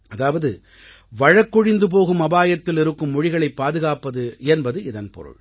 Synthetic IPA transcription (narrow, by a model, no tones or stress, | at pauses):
ɐðaːʋɐðɯ | ʋɐɻɐkːɔɻɪnd̪ɯp̬oːɣɯmɐbaːjɐt̪ːɪlɪɾɯkːɯmːʊɻɪɣɐɭɐɪpːaːðɯɣaːpɐðɯɛnbɐðɯɪðɐnpɔ̰ɾɯ̰ɭ